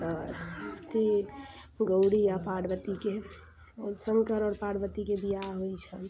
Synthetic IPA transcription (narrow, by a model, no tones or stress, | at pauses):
a | t̪ʰi | ɡəwɽijapaɽbət̪ike | səŋkəɾəɽpaɽbət̪ikebijaɦojt͡ʃʰən